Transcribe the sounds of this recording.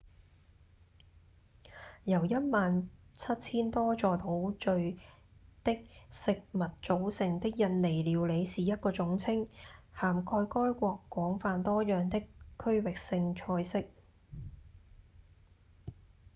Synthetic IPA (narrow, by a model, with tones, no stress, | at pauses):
jɐ˨˩wjɐ˥t̚maː˨nt͡sʰɐ˥t̚t͡sʰiː˥nt̪ɔː˥t͡ʃɔː˨˧t̪o˨˧˥wt͡ʃɵ˧ɥ | t̪ɪ˥k̚sɪ˨k̚mɐ˨t̚t͡ʃo˨˥wsɪ˨˩ŋt̪ɪ˥k̚jɐ˨˧t̚le˨˩jliː˨˧wle˨˧jsiː˨jɐ˥t̚kɔː˧t͡sʊ˨˥ŋt͡sʰɪ˥ŋhaː˨˩mkʰɔː˧jkɔː˥jkʷɔː˧kːwɔː˨˥ŋfaː˧nt̪ɔː˥jœː˨ŋt̪ɪ˥kkʰːɵ˥ɥwɪ˨k̚sɪ˧ŋt͡ʃʰɔː˧jsɪ˥k̚